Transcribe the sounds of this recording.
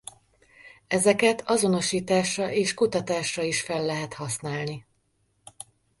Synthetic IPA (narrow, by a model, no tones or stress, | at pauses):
ɛzɛkɛt̪ʰɒzo̞no̞ʃiːt̪aːʃrɒʔeːʃkut̪ɒt̪aːʃrɒiʃfɛlːɛɦɛt̪hɒsnaːlni